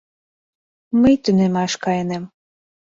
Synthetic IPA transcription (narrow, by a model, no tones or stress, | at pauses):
məjt̪ynemɑʃkɑjenem